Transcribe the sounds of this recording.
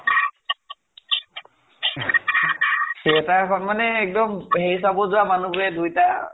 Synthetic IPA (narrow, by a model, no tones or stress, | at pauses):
siɛtaɹkʰɔnmanɛːk̚dɔmɦeɹisabɔzʊwamanubuɹɛdujta